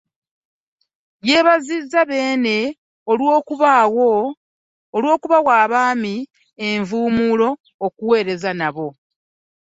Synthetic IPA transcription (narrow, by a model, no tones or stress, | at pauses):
je̞ːβazizːaβe̞ːne̞ | olwoːkuβawoː | lwo̞ːkuβawaːβaːmi | eɱvuːmulo̞ː | kuwe̞ːɾe̞zanaβo̞